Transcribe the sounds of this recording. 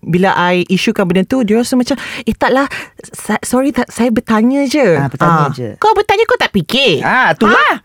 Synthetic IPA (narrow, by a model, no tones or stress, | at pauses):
bilaʔajiʃukanbənant̪udiɾasumat͡ʃameht̪aʔlahssɔɾit̪aʔsajabət̪aɲə̃d͡ʒəbət̪aãd͡ʒə̰kawbət̪aɲəkot̪aʔpikɪat̪ulah